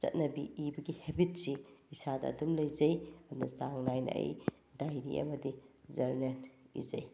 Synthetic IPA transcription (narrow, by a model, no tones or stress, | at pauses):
t͡ʃɐ̰t̚nɐbiibɐɡihebit̚siisadɐ̰ɐ̰dumlɐjzɐjɐnɐsaŋnajnɐ̰ʔḛj | dajɾḭʔɐ̰mɐdizɐɾmenḭzɐj